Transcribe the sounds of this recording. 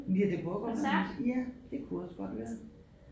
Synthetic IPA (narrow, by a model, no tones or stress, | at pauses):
liɐd̥ebɔɡ̥ɐjæd̥e̝kʰuɒsɡ̥ɒ̽d̥ʋæːɐ